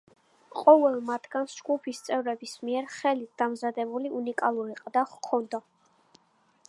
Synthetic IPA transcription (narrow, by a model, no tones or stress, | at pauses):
qʼɔvɛlˠmat̪ʰɡ̥ansd͡ʒɡupʰist̪sʼɛvɾɛbismiɛɾχɛlit̪̚d̪amzad̪ɛbuliunikʼalˠuɾiqʼd̪aχkʰɔnd̪a